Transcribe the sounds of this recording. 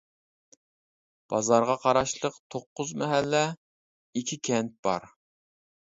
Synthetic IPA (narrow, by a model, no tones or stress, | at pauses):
b̥ɑzɑɾʁɑqʰɑɾɑʃlˠəqt̪ʰoqːʊzmɛɦælːɛ | ikʲʰikʲʰɛnt̪̚b̥ɑ̰ɾ